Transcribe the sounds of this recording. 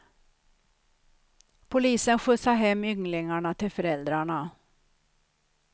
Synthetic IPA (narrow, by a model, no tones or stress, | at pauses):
pʰʊliːsənɧʉːsɑɦɛmːʏŋlɪŋaɳat̪ʰɪlfɔɾɛld̪ɾaɳa